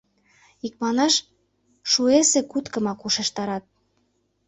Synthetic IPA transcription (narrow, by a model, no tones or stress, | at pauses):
ik̚mɑnɑʃ | ʃuesekut̪kɤ̆mɑkuʃeʃt̪ɑɾɑt̪̚